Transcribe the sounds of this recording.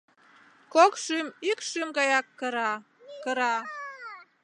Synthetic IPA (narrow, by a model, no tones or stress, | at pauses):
kokʃymikʃymɡɑjɑkːəɾɑ | kə̆ɾɑ